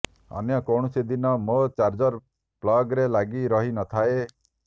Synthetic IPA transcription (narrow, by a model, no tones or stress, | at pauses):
ɔ̰njɔkoɳ̃usid̪inɔmot͡ʃaɾd͡ʒɔɾ | plɔɡɾelaɡiɾɔɦinɔt̪ʰae